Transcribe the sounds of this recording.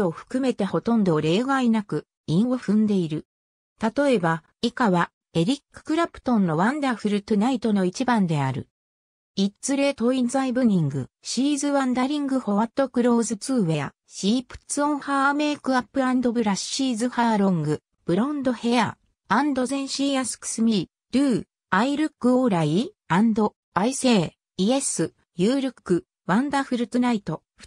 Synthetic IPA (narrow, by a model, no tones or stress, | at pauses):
oɸɯ̥kɯ̟me̞t̪e̞ho̞t̪õ̞nd̪o̞ɾe̞ːɡainakɯ̟ | ĩɰ̃o̞ɸɯ̟̃nd̪e̞iɾɯ̟ | t̪at̪o̞e̞ba | ikaβa | e̞ɾʲikːɯ̥kɯ̟ɾapɯ̟̥t̪õ̞nːo̞βãnd̪aɸɯ̟ɾɯ̟t̪onait̪o̞no̞it͡ɕibãnd̪e̞aɾɯ̟̰ | itt͡sɨɾe̞t̪o̞inzaibɯ̟ɲ̟ĩŋɡɯ̟̰ | ɕiːzɨβãnd̪aɾʲĩŋɡɯ̟ho̞βat̪ːo̞kɯ̟ɾo̞ːzɨt͡sɨːe̞a̰ | ɕiːpɯ̥t͡sɨõɰ̃haːme̞ːkɯ̟apːɯ̟ãnd̪o̞bɯ̟ɾaɕɕiːzɨhaːɾõ̞ŋɡɯ̟ | b̥ɯ̟ɾõnd̪o̞he̞a̰ | ãnd̪o̞zẽ̞ɰ̃ɕiːjasɨ̥kɯ̥sɨmʲi | d̪̥ɯ̟ː | aiɾɯ̟kːɯ̟oːɾai | ãnd̪o̞ | aise̞ː | iesɨ | jɯːɾɯkːɯ̟ | βãnd̪aɸɯ̟ɾɯ̟t͡sɨnait̪o̞ | ɸɯ̥